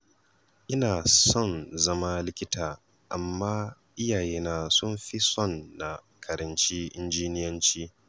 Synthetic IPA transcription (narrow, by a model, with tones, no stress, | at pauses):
ʔɪ˦naː˨sɔ˦˨nzɐ˦ma˦lɪ˦kʲɪ˦tʰaː˨ | ʔa˨mːaː˦ | ʔɪ˦jaː˨jeː˦naː˦sʊ˦mɸi˦sɔ˦˨nːa˨ | kʰɐ˨ɾɐ˨nt͡ʃiː˦ʔɪ˦nd͡ʒiː˦nɪ˦jɐ˦nt͡ʃiː˦